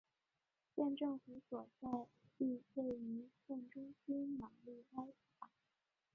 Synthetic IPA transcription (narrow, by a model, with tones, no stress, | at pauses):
ɕjɛ˥˧nʈ͡ʂɤ˥˩ŋfu˧˥swɔ˨˩t͡sa˥˧ɪpi˥˧e˥˩ɪy˧˥ɕɛ˥˩nʈ͡ʂʊ˥ŋɕi˥nnɑ˨˩˦ŋli˥˩a˥ɪpa˨˩˥